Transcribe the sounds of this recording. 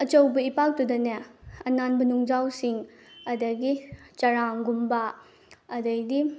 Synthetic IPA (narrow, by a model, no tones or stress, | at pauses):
ɐt͡ʃɐwbɐipak̚tudɐnɐɐnanbɐnuŋd͡ʒawsiŋ | ɐdɐɡit͡ʃɐɾaŋɡumba | ɐdɐjdi